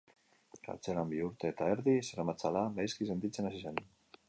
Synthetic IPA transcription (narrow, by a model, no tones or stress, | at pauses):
ka̰ɾt͡se̞lambiuɾt̪eːt̪aeɾðiseɾamat͡salanajskise̞nt̪it͡se̞nasise̞n